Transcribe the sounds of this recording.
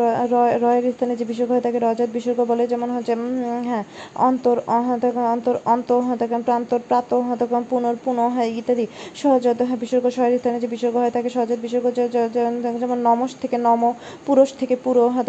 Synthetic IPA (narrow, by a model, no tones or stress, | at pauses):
ɔɾɔeeɾist̪ʰaned͡ʑebiʃoɾkoɦɔet̪akeɾɔd͡ʑad̪biʃoɾkobɔled͡ʑɛmonɦot͡ɕʰːeɦɛ̃ɔ̰nt̪oɾɦɛ̃t̪akɔnt̪oɾɔnt̪oɦɔt̪akepɾant̪oɾpɾat̪oɦt̪ɔkpunoɾpunoɦɔeit̪ːaɾiʃɔɦod͡ʑot̪ɦbiʃoɾkoʃɔeeɾist̪ʰaned͡ʑebiʃoɾkoɦɔet̪akeʃɔɦod͡ʑad̪̚biʃoɾko | d͡ʑɛmonːɔmoʃt̪ʰekenɔmo | puɾoʃt̪ʰekepuɾoɦɔt̪a